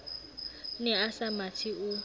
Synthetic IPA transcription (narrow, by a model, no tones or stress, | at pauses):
nɛasamatʰiʊ